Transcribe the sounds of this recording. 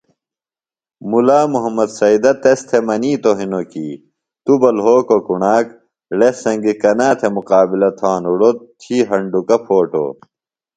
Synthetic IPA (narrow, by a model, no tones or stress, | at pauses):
mulaːmuɦɐmːɐd̪sɐid̪ɐt̪est̪ʰemɐniːt̪oɦinokiː | t̪ubɐlɦoːkokuɳaːk | lesɐŋɡikɐnaːt̪ʰemuqaːbilɐt̪ʰaːnuɽot̪ʰiːɦɐɳɖukɐpʰoːʈo̰ː